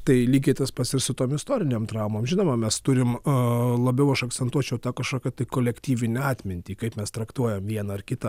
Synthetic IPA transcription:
t̪ɐɪlʲiːɡʲeːt̪ʲɐspɐsɪɾsʊt̪oːmɪst̪oːɾʲɪnʲeːmt̪ɾɑʊmoːmʒʲɪnoːmɐmʲɛst̪ʊɾʲɪmlˠɐbʲɛʊɐʃɐkt͡ssʲɛnt̪uɔt͡ʃʲɛʊt̪ɑkɐʃkoːkʲɐt̪ɐɪkoːlʲɛkt̪ʲiːʋʲɪnʲɛɑːt̪ʲmʲɪnʲt̪ʲiːkɐɪpmʲɛst̪ɾɐkt̪uɔjɛmʋʲiɛnɐɐrkʲɪt̪ɐ

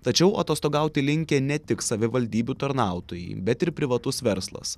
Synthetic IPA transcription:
t̪ɐt͡ʃʲɛʊʔɐt̪oːst̪oːɡɑˑʊt̪ʲɪlʲɪŋʲkʲɛnʲɛt̪ʲɪksɐʋʲɪʋɐlʲd̪ʲiːbʲut̪ɐɾnɑˑʊt̪oːjɛ̰ɪbʲɛt̪ɪɾpʲɾʲɪʋɐt̪ʊsʋʲɛɾslˠɐ̰s

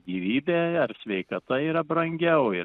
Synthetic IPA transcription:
ɡʲiːʋʲiːbʲeːɐrsʲʋʲɛɪkɐt̪ɐiːɾɐbɾɐŋʲɡʲɛʊɪ

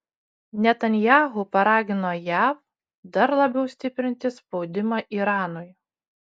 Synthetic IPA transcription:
nʲɛt̪ɐnʲjɑːɦʊpɐɾɑːɡʲɪnoːjæːf | d̪ɐɾlˠɐbʲɛʊsʲt̪ʲɪpʲɾʲɪnʲt̪ʲɪspɒʊd̪ʲɪmɐʔiːɾɑːnʊj

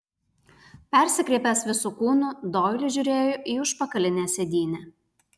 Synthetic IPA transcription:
pʲɛˑɾʲsʲɪkɾʲɛɪpʲɛsʋʲɪsuːkuːnud̪oːjlʲɪʒʲʊɾʲeːjoʔiːʊʃpɐkɐlʲɪnʲeːsʲɛd̪ʲiːnʲɛ

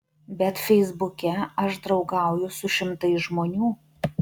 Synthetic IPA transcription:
bʲɛt̪fʲɛɪzbʊkʲɛɐʃd̪ɾɒʊɡɑˑʊjʊsʊʃʲɪmt̪ɐɪsʒmoːnʲuː

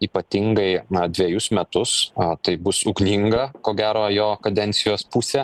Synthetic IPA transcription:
iːpɐt̪ʲiŋɡɐɪnɐd̪ʲʋʲɛjʊsmʲɛt̪ʊst̪ɐɪbʊsʊɡnʲiŋɡɐkoːɡʲæːɾoːjoːkɐd̪ʲɛnʲtsʲɪjoːspusʲɛ

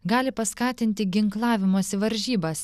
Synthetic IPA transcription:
ɡɑːlʲɪpɐskɑːt̪ʲɪnʲt̪ʲɪɡʲɪŋklˠɑːʋʲɪmoːsʲɪʋɐɾʲʒʲiːbɐs

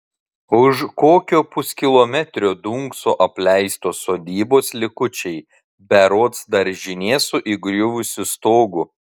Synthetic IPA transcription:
ʊʃkoːkʲoːpʊskʲɪlˠomʲɛt̪ʲɾʲoːd̪uːŋksoːʔɐpʲlʲɛɪst̪oːsoːd̪ʲiːboːslʲɪkʊt͡ʃʲɛɪ | bʲɛɾoːt̪sd̪ɐɾʒʲɪnʲeːsʊʔɪɡɾʲʊʋʊsʲɪst̪oːɡʊ

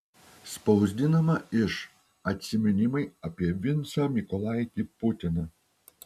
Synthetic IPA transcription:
spɐʊzʲd̪ʲɪnɐmɐɪʃ | ɐt̪ʲsʲɪmʲɛnʲɪmɐɪɐpʲiɛʋʲɪnˑt̪sɐmʲɪkɔlˠɑˑjt̪ʲipʊt̪ʲɪnɐ

